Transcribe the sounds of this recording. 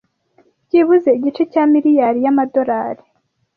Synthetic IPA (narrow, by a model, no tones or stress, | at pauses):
ɟiβuze̞iɟit͡ʃe̞camiɾijaɾijamado̞ɾaːɾi̥